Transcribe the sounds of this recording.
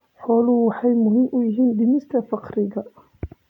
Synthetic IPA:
ħɔːlʊwɑħɑjmʊɦɪmʔʊjɪɦiːnd̪ɪmɪst̪ʰɐfɑqɾɪɣɐ

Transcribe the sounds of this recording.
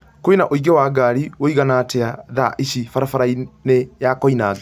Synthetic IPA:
koinaʔoiɡɛwaːɡaːɾiwoiɣanatʰɛaðaʔiʃifaɾafaɾainejakɔinaːðɔ

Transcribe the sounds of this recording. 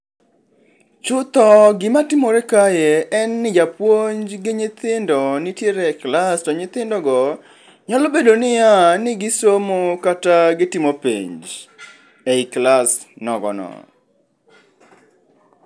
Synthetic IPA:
t͡ʃʊt̪ɔɡɪmatɪmoɾɛkajeɛnːɪd͡ʒapwoɲd͡ʒɡɪɲɪt̪ɪndɔnɪtjeɾɛklastɔɲɪt̪ɪndɔɡɔ | ɲalɔbedonɪjanɪɡɪsomokataɡɪtɪmopḭɲd͡ʒ | eiklasnɔɡɔ̰nɔ̰

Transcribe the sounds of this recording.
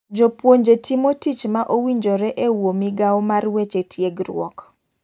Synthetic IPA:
d͡ʒopwoɲd͡ʒetʰimotit͡ʃmaʔowiɲd͡ʒoɾɛʔewomiɡawomarwet͡ʃetʰjeɡɾw̰ɔ̰k

